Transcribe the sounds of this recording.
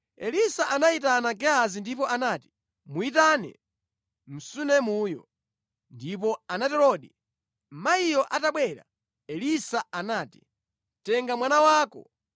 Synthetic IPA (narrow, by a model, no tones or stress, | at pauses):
ɛlisaʔanait̬anaɡɛazindip̬ɔʔanaːti̥ | muit̬anɛ̰ | m̩sunɛmuːjɔ̰ | ndip̬ɔanatɛɾɔɗi | maijɔʔataɓwɛːɾa̰ | ɛlisaanaːti̥ | tɛŋɡamwanawaːkɔ̰